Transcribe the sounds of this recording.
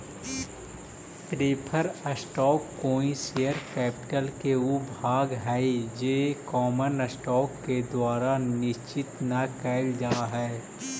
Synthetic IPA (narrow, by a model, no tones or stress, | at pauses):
pɾeːpʰəɾəsʈɔːkːoːĩsejəɾkɛːpɪʈəlkeʊbʱaːɡɦɛd͡ʒeːkɔːmənəsʈɔːkːed̪waːɾanɪʃt͡ʃɪt̪nakɛːld͡ʒaːɦɛː